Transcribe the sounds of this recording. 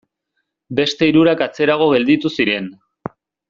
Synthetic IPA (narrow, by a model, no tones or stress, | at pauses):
be̞st̪e̞iɾuɾakat͡se̞ɾaɣ̞o̞ɣe̞ld̪it̪usiɾe̞n